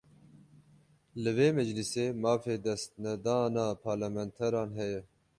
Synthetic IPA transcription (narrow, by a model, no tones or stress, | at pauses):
lɨveːmɛd͡ʒliseːmɑːfeːd̪ɛst̪̚nɛd̪ɑːnɑːpʰɑːɾlamɛnt̪ʰɛɾɑːnɦɛjɛ